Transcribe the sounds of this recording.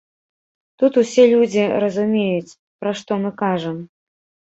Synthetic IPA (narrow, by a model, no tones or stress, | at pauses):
t̪ut̪usʲɛlʲud͡zʲiɾɐzumʲejut͡sʲ | pɾaʂt̪ɔmɨkaʐɐm